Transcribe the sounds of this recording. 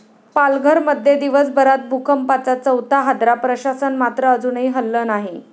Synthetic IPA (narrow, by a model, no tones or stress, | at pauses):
palɡʱəɾməd̪ʱjed̪iʋəsbəɾat̪̚bʱukʰəmpat͡sat͡səwt̪aɦad̪ɾapɾəɕasənmat̪ɾəːd͡zunəiːɦəlːəːnaɦi